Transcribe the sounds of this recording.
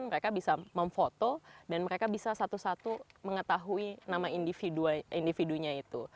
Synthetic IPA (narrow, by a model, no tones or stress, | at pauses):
nməɾekabisaməɱfot̪odanməɾekabisasat̪usat̪uməŋət̪aɦuinamaindifiduaindifiduɲait̪u